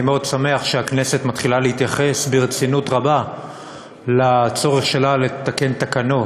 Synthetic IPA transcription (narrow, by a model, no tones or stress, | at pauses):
meod̪same̞aχʃeakne̞se̞t̪mat̪χilalehit̪jaχesbeʁt͡sinut̪ʁaba | lat͡so̞ʁeχʃe̞lale̞t̪ake̞nt̪akano̞